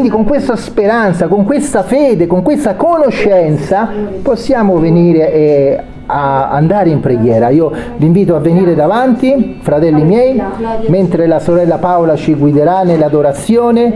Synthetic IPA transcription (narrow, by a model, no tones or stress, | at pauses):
ind̪ikoŋkwest̪aspeɾant̪sakoŋkwest̪afeːd̪ekoŋkwest̪akonoʃːɛnt̪saposːjaːmoveniːɾeʔ | a̰ːnd̪aːɾeimpɾeɡjɛːɾaiːoviːɱviːt̪oavːeniːɾed̪avant̪i | fɾat̪ɛlːimjɛjment̪ɾelasoɾɛlːapawlat͡ʃiɡwid̪eɾanːelːad̪oɾat̪sjoːne